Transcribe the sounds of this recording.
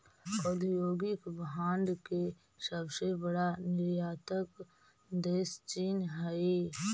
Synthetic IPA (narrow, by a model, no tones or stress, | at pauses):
ɔd̪joːɡɪkbɦãːnd̪ke | səbsebəɽanɪɾjaːt̪ək | d̪eːst͡ʃiːnɦəi